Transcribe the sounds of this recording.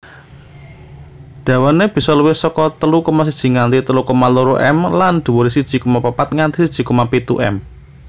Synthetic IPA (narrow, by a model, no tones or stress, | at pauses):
d̪̥ä̤waneb̥i̤sɔləwɪhsɔkɔt̪əlukɔmas̬id̥ʒ̥i̤ŋant̪it̪əlukɔmaluɾoʔɛ̰mland̪̥ṳwoɾisid̥ʒ̥i̤kumapapat̪̚ŋant̪isid̥ʒ̥i̤kumapit̪ṵʔɛ̰m